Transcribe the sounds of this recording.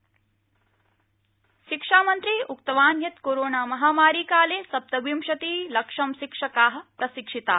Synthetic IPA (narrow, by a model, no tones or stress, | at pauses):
ʃikʂaːmɐnt̪ɾiːukt̪ɐʋaːnjɐt̪koːɾoːnaːmɐɦaːmaːɾiːkaːleːsɐp̚t̪ɐbimʃɐt̪iːlɐkʂɐmʃikʂɐkaːɦɐ̆pɾɐsikʂit̪a̰ː